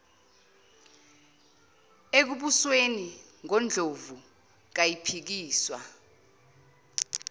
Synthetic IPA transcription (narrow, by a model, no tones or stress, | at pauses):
ek̬uɓusweniŋɔnd͡ɮʱovu | k̬ajipʰik̬iːswa̰